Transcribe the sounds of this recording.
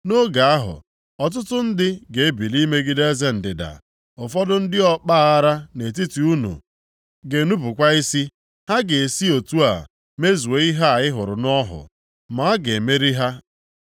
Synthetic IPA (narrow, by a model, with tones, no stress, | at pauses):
no˦ɡa˨a˦ɦʊ̰˨ | ɔ˨t̬ʊ˦tʊ˦n̩˦dɪ˦ɡe˨e˦bi˨li˦me˦ɡi˦de˦ze˦n̩˨dɪ˨da̰˨ | ʊ˨fɔ˦dʊ˦n̩˦dɪ˦ɔ˦k͡pa˦a˦ɾa˦ne˨t̬i˦ti˨u˦nṵ˨ | ɡe˨nu˦pʊ˨kʷa˦i˦si˦ | ha˦ɡe˨e˨si˦o˨tu˦a̰˨ | me˦zu˨we˨i˦ɦa˦a˨ɪ˦ɦʊ˨ɾʊ˨nɔ˦ɦʊ̰˨ | ma˨˦a˦ɡe˨me˦ɾi˦ɦa˦